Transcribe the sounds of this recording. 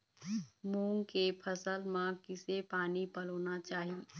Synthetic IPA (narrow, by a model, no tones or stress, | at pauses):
muːŋkepʰəsəlmãkɪsepaːnipɐloːnat͡ʃaːɦi